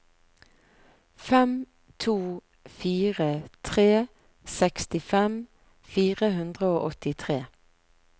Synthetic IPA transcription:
fɛm | t̪ʰuː | fiːʁət̪ʰʁeː | sɛkst̪ɪfɛm | fiːʁəhʉnd̪ʁəoːʔɔt̪ɪt̪ʰʁeː

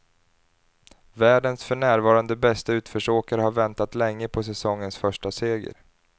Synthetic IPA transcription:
væːɖənsfœɳæːɾvɑːɾand̪əbɛst̪aʉ̟ːt̪fœʂoːkaɾəhaɾvɛnt̪at̪lɛŋːəpʰɔs̬ɛsɔŋːənsfœʂʈaseːɡə̰ɾ

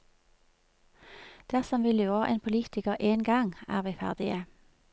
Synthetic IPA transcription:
d̪̥æʁsɔmʋɪlɪoːʁʔḛːnpʰʊliːt̪ɪkəʁʔeːnɡɑŋæ̰ːʁʋiːfæ̰ʁd̪ɪə

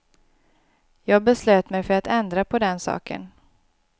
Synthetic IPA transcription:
jɑːɡ̚bɛsløːt̪mɛjfœɾat̪ɛnd̪ɾapʰɔd̪ɛnsɑ̰ːkə̰n

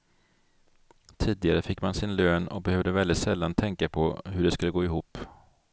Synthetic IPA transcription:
t̪ʰiːd̪ɪɡaɾəfɪkːmansɪnløːnɔ̰k̚bɛhøːvd̪əvɛld̪ɪt̪sɛlːant̪ʰɛŋkapʰɔɦɵɖɛskɵlːəɡoːɪɦuːpː

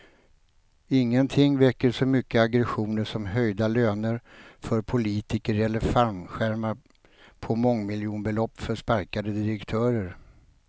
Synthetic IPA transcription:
ɪŋːənt̪ʰɪŋːvɛkːəʂɔmʏkːəaɡɾɛɧuːnəʂɔmɦœjd̪aløːnəɾfœɾpʰʊliːt̪ɪkəɾɛlːəɾfaɾmɧæɾmaɾ | pʰɔmɔŋːmɪljuːnbɛlɔpːfœʂpaɾkad̪əd̪ɪɾɛkt̪ʰœːɾəɾ

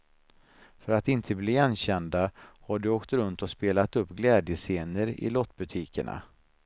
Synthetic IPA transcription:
fœɾat̪ɪnt̪ʰəbliːanːɕɛnd̪ahaɖɵoːkt̪ɾɵnt̪ɔspeːlat̪ɵpːɡlɛːd̪jəseːnəɾɪ̰lɔt̪ːbɵt̪ʰiːkəɳa̰

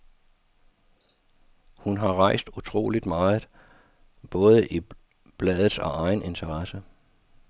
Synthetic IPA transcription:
hunɦɑ̈ʁɑ̈ɪ̰sd̥ut͡sʰʁo̝̰ːlid̥mɑ̈ːð̩ˠ | b̥ɔ̽ːð̞ˠəʔi | b̥lɛːð̩ˠsɒ̽ɑ̈ɪne̝nt͡sʰɐʁɑsə

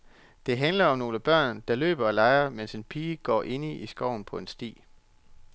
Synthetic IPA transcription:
d̥e̝ɦænlɐɒ̽mno̝ːləb̥ɶɐ̰nd̥ɑ̈lø̰ːb̥ɐɒ̽lɑ̈ɪɐmense̝npʰiːɡ̥ɒ̰ːʔe̝nəisɡ̥ɒʊ̰n̩pʰɒ̽e̝nsd̥ḭː

